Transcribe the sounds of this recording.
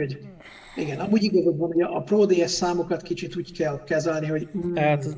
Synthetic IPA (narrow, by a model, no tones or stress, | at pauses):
oɟ | iɡɛnɒmuːɟiɡɒzoɡ̪ʋɒnhoɟɒːproːd̪eɛsːaːmokɒt̪kit͡ʃit̪uːɟkɛlkɛzɛlniɦo̞ɟ̩